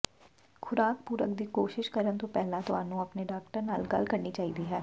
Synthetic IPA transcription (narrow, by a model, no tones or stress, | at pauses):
kʰʊɾaːkpuːɾə̰kd̪iːkoːʃɪʃkəɾənt̪õpɛɦlãt̪oa̰ːnũːɐpneɖaːkʈəɾnaːlɡəlkəɾniːt͡ʃaːɦiːd̪iːɦɛː